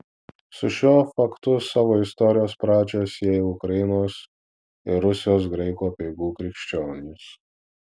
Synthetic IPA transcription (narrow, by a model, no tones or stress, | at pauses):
sʊʃʲoːfɐkt̪ʊsɑːʋoːɪst̪ɔɾʲɪjoːspɾɑːd͡ʒʲoːsjɛjʊkɾɐjɪnoːs | ɪɾʊsʲɪjoːs̬ɡɾɛɪkoːpʲɛɪɡuːkɾʲɪkʃʲt͡ʃʲoːnʲɪs